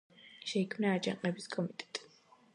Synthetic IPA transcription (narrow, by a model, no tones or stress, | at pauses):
ʃɛikʰmnaːd͡ʒã̰qʼɛbiskʼɔmit̪ʼɛ̥t̪ʼ